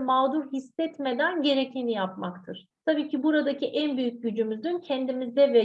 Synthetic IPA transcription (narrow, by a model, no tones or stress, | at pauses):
maːd̪uɾhisːɛt̪me̞d̪ænɟe̞ɾecʰinijapmakt̪ʰɯɾ̥t̪ʰabiːcʰibuɾad̪acʰiʔænbyjyc̚ɟyd͡ʒymyzd̪yncʰɛnd̪imizd̪ɛvɛ